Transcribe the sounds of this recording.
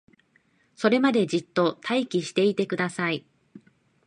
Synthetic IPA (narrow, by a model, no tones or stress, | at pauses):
so̞ɾe̞mad̪e̞d͡ʑit̪ːo̞t̪ʰaikʲiɕi̥t̪e̞it̪e̞kɯ̟d̪asai